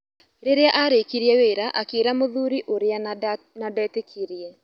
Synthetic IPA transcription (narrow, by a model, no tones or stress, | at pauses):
ɾeɾeaʔaɾekiɾiɛweːɾaʔakeɾamoðuɾiʔoɾea | nadɛːtekʰiɾiɛ